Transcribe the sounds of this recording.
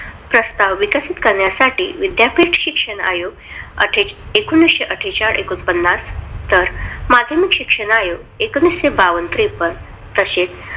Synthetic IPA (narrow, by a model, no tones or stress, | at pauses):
pɾəst̪aʋʋikasit̪kəɾɳjasaʈḭːʋid̪japiʈɕikʂəɳa̰joɡ | ə̰ʈʰeekunːisɕeʔəʈʰet͡ɕaɽʔekunpənːast̪əɾmad̪ʱjəmikɕikʂəɳajoɡ | ekənːisɕebaʋənt̪ɾipən | t̪əɕet͡s